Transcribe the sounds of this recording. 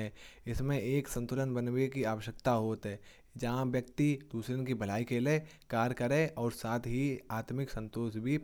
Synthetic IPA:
ɛːɪsmẽʔeːksə̃nt̪ʊɾənbənwekiaːʋəʃjək̚t̪aɦoːt̪ɦɛː | d͡ʒɐɦãʋjək̚t̪id̪uːsɾenkibʱəl̤aːikele | kaːɾkəɾẽɔːɾsaːt̪ʰɦiaːt̪mɪksə̃nt̪oːʃbʱi

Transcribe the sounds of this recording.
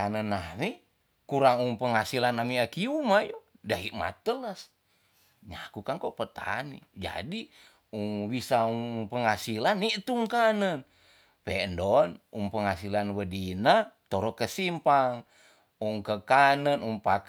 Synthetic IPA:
anənami | kuɾaŋuŋpəŋasilanamiakiumajo | daiʔma̰t̪ələs | ɲakukaŋkoʔpət̪a̰nḭd͡ʒa̰di | uŋwisauŋpəŋasilaniʔt̪uŋkanən | pɛndɔnuŋpəŋasilanwədinat̪ɔɾɔkəsimpaŋ | uŋkəkanənuŋpak

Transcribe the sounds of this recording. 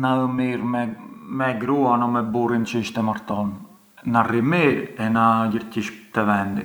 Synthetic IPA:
naəmiɾmɛmɛɡɾuanɔmɛburint͡ʃəiʃt̪ɛmaɾt̪ɔn | narimiɾɛnaɟəɾciʃt̪ɛvɛnd̪i

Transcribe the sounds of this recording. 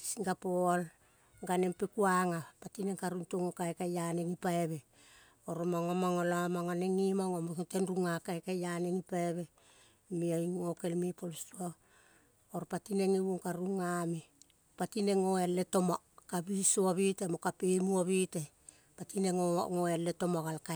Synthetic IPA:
si̥siŋɡapoal | ɡanempekuaŋapatineŋkaɾuntoŋokajkajaneŋipaeβe̞ | oɾomaŋomaŋolamaŋaneŋimaŋomoktenɾuŋakajkajaneŋipaeβe̞ | miajŋoke̞lmipolstua | oɾpatineŋiβuŋkaɾuŋami | patineŋoealːetoma | kaβisoaβitemokapemuaβite | patineŋo̰ŋoealeto̞maɡalka

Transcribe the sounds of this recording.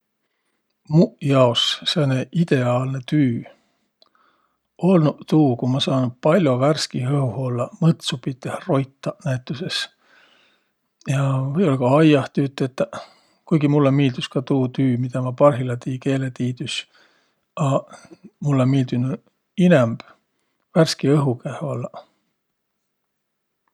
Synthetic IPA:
muʔjɑosseneʔid̪̥e̞ɑːlne̞t̪yː | ʔo̞lnut̪uːkumɑsɑːnud̪̥̚pɑlʲjo̞værskihɤhuholːɑmɤt̪supit̪ːˑehro̞jt̪ːˑɑnæjt̪ːˑuse̞s | jɑvɤjo̞lkɑɑjɑht̪yːt̪ːˑet̪ːæ | kujɡ̥imulːemiːld̪̥uskɑt̪uːt̪yːmid̪ɑmɑpɑrɦilɑt̪iːke̞ːlet̪iːd̪ys | ɑ | mulːemiːld̪̥ynu | inɛmb̥ | værskiɤɦukæho̞lːɑ

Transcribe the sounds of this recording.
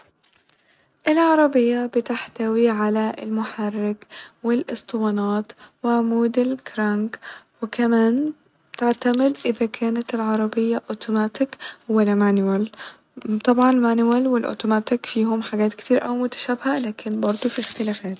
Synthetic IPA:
ʔɪlʕɑɾˤɑbɪjːabɪt̪ɪħt̪awiʕalaɪ̰lmʊħarːɪɡwɪlʔɪst̪ˤwɑnɑːt̪wɪmuːd̪ɪlkɾaŋɡwɪkamaːn | t̪ɪʕt̪amɪd̪ʔɪðakʰæːnat̪ɪlʕɑɾˤɑbɪjːaʔot̪umaːt̪ɪkwɪlamanwal | t̪ˤɑbʕɑnmanwalwɪlʔo̰ːt̪umaːt̪ɪkfiːhʊmħaɡæːt̪kɪt̪iːɾʔawmʊt̪ḁʃaːbhalaːkʰɪnbɑɾˤd̪ˤufixt̪ɪlaːfaːt̪

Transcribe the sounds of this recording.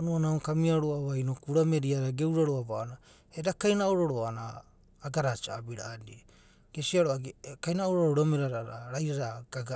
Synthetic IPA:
onuanaokamiaɾoaβajnokuɾame̞ɾiaɾaɡe̞wɾaɾoabaona | edakajnaoɾoɾoanaː | ɡaɾat͡ʃaːbiɾa̰ːdie | ɡ̥esiaɾoaɡkajnaoɾoɾoɾameɾaɾaɾa̰ɾajɾaɾaɡ̥aɡa

